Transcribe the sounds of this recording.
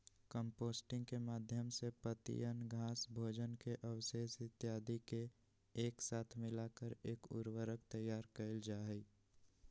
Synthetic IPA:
kəmpoːsʈɪ̃ŋɡkemaːd̪ʱjəmsepət̪ḭjənɡʱaːsbʱoːd͡ʒənkeʔəwʃeːsɪt̪jaːd̪ikeː | ksaːt̪ʰmɪlaːkəɾeːkʊ̰ɾwəɾəkt̪əjːaːɾkəɪld͡ʒaːɦɛ

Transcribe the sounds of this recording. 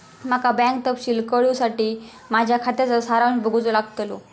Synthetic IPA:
m̤akabɛ̃ŋk̚t̪əpɕiːlkəɭjusaʈiː | mad͡ʑʱjakʰat̪jat͡sasaɾaʋnibʱəɡut͡solaɡt̪lo̰

